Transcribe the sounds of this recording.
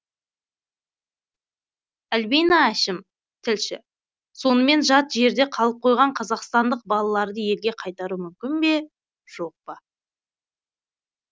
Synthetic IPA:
ælbejnɑæʃɪm | t̪ʰɪlʃɪ̰ | so̞nəme̞nʒɑt̪ʒe̞ɾd̪e̞qʰɑlˠəp̚qʰo̞jʁɑɴqʰɑzɑqst̪ɑnd̪əq̚bɑlˠɑlˠɑɾd̪əje̞lɡʲe̞qʰɑjt̪ɑɾumʏmkʲɪnbe̞ | ʒ̥o̞q̚pə

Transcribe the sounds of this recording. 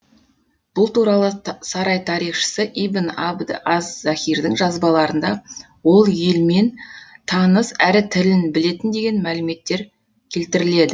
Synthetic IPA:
b̥ʊlˠt̪uɾɑlˠəsɑɾɑjt̪ʰɑɾijχʃə̥səʔijbɪnɑbd̪ɑzːæχʲijɾd̪ɪŋʒɑzbɑlˠɑɾənd̪ɑ | wo̞lˠjelme̞nt̪ʰɑnəsæɾɪt̪ʰɪlɪnbɪle̞t̪ɪnd̪e̞ɡʲe̞nmælɪme̞t̪ːe̞ɾ | kʲʰe̞lt̪ɪɾɪle̞d̪ɪ

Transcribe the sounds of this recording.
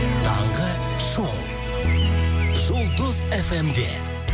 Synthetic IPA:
t̪ʰɑɴʁə | ʃolˠ | ʒolˠd̪ʊzefemd̪ḛ

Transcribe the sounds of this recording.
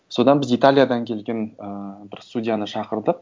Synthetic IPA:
so̞d̪ɑnbɪzit̪alʲijad̪ɑŋkʲʰe̞lɡʲe̞nəbɪɾst̪udʲijanəʃɑqəɾd̪əq

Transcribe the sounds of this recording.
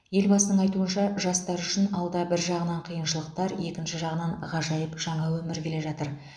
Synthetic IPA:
je̞lbɑsənəɴɑjt̪uənʃɑʒɑst̪ɑɾʏʃɪnɑlˠd̪ɑbɪɾʒɑʁənɑɴqʰijənʃəlˠəq̚t̪ɑɾje̞kʲɪnʃɪʒɑʁənɑɴʁɑʒɑjəpʒ̥ɑɴɑwɵmɪɾkʲʰe̞le̞ʒɑt̪əɾ

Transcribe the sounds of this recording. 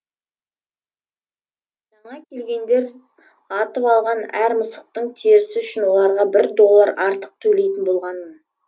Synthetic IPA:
ʒ̥ɑɴɑkʲʰe̞lɡʲe̞nd̪e̞ɾ | ɑt̪əpɑlˠʁɑnæɾməsəq̚t̪əɴt̪ʰeɾɪsɪʏʃɪnwo̞lˠɑɾʁɑbɪɾd̪o̞lˠːəɾɑɾt̪əq̚t̪ʰɵle̞jt̪ɪnbo̞lˠʁɑnmən

